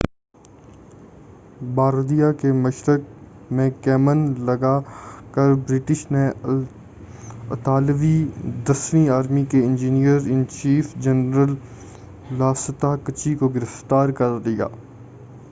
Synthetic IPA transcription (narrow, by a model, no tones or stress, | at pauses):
baːɾd̪ijakeməʃɾək̚ | mẽkɛːmənləɡaːkəɾbɾɪʈɪʃne | ət̪aːlʋid̪əsʋiaːɾmikeɪ̃nd͡ʒiːnijəɾɪ̃nt͡ʃiːfd͡ʒənɾəl | laːsət̪akət͡ʃikoɡɪɾɪft̪aːɾkəɾd̪ɪja̰ː